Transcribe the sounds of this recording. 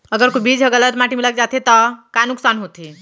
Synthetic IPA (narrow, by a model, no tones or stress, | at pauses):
əɡəɾkobid͡ʒɦəɡələt̪maʈimilək̚d͡ʒat̪et̪ɔkanuksanɦot̪i